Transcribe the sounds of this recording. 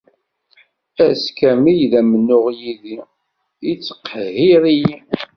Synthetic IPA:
æskæmijðæmənːʊʁjiði | it͡sːə̥qːhiɾiji

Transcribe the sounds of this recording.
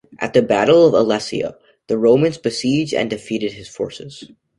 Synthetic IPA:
ʔɨ̰t̪̚ðɨbæɾl̩ˠʌvəlɛsḭə̰ | ðɨɹõʊ̃mɨ̃nzbɨsid͡ʒdɨ̰̃ndɨfiɾɨd̚ɨz̥fɔɹsɨz̥

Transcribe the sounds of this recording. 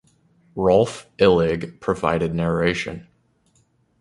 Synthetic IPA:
ɹɔlˠfɪlˠɪɡpʰɹ̥ɨva̰ɪɾɨdⁿnɛɹeɪʃɨ̰̃n

